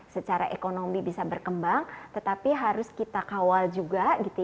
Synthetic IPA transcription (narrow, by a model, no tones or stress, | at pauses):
sət͡ʃaɾa̰ʔekonomibisabərkəmbaŋt̪ət̪apiɦaɾʊskit̪akawald͡ʒuɡaɡit̪u